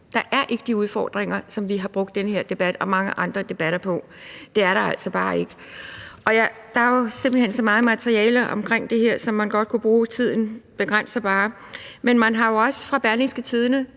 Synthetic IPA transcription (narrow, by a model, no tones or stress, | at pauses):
d̥ɑ̈ʔæɐʔe̝ɡ̥əd̥iuð̞ˠfɒ̰ːd̥ʁeŋɐsɒ̽mʋiɦɑ̈b̥ʁɔ̽ɡ̥d̥enəhe̝ɐ̰d̥e̝b̥æd̥ɒ̽mɑ̈ŋəʔɑ̈nd̥ʁɐd̥e̝b̥æɾ̥ɐpʰɒ̽ | d̥e̝æɐɾ̥ɑ̈æl̰sɒ̽b̥ɑ̈ːe̝ɡ̥ə | ʔɒ̽jæ | d̥ɑ̈ɐjose̝mb̥l̩hensɒ̽mɑ̈ːð̞̩ˠmæt͡sʰʁiɛːlɐʔɒ̽mkʰʁeŋ̰d̥e̝ɦeɐ̰sɒ̽mːænɡ̥ɒ̽d̥̚kʰub̥ʁuːt͡sʰið̞̰ˠn̩b̥e̝ɡ̥ʁan̰sɐb̥ɑ̈ː | menmænɦɑ̈jo̝ɒ̽sə̥fʁɑ̈b̥æɐliŋsɡ̥ət͡sʰið̞ˠnə